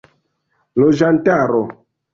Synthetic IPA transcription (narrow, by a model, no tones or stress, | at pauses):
loʒantaɾo